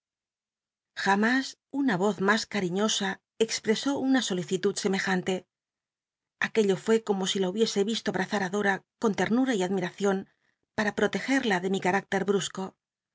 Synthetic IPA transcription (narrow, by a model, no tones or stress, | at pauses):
xamas | unaβo̞θmaskaɾiɲo̞sa | ekspɾe̞so̞unaso̞liθit̪uðse̞me̞xant̪e̞ | ake̞ʎo̞fwe̞ko̞mo̞silauβje̞se̞βist̪o̞aβɾaθaɾaðo̞ɾako̞nt̪e̞ɾnuɾaiaðmiɾaθjo̞n | paɾapɾo̞t̪e̞xe̞ɾlaðe̞mikaɾak̚t̪e̞ɾβɾusko̞